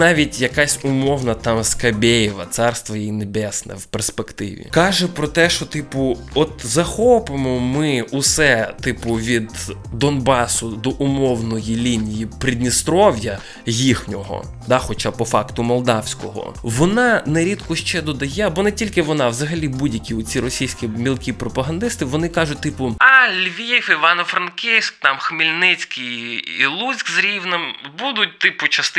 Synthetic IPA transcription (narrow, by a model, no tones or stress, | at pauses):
nɑʋʲitʲjɐkasʲʊmɔwnɐt̪ɑmskɐbʲejiʋɐt̪sɑrst̪ʋɐjɛjinebɛsnɛ̰wperspekt̪ɪ̰ʋʲḭkɑʒɛpɾɔt̪ɛʃt͡ʃɔt̪ɪpʊ | ɔt̪zɐxɔpɪmɔmɪʊsɛt̪ɪpʊʋʲid̪ːɔnbɑsʊd̪ɔʔʊmɔwnɔjilʲinʲijipɾʲid̪ʲnʲist̪ɾɔwjɐ | jixnʲɔɦɔ̰ | d̪ɑxɔt͡ʃapɔfɑkt̪ʊmɔlˠd̪ɑwsʲkɔɦɔ̰ʋɔnɑnɛɾʲid̪kʊʃt͡ʃɛd̪ɔd̪ɐjɛbɔnɛtʲilʲkɪʋɔnɑʋzɐɦɐlʲibudʲjɐkʲiɔt͡sʲiɾɔsʲijsʲkʲimʲilˠkʲipɾɔpɐɦɐnd̪ɪst̪ɪʋɔnɪkɑʒʊt̚ʲt̪ɪpʊɑlʲʋʲifiʋɑnɔfɾɐnkɛsʲk̚t̪ɑmxmilʲnɪt͡sʲkɪjḭlˠut͡sʲkzɾʲiwnɪmbud̪ʊt̚ʲt̪ɪpʊt͡ʃɐst̪ɪ